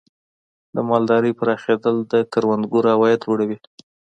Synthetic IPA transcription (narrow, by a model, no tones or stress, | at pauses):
d̪əmɑld̪ɑɾəjpəɾɑxed̪əld̪əkaɾwand̪ɡuɾhawɑjat̪d͡ʒoɽawi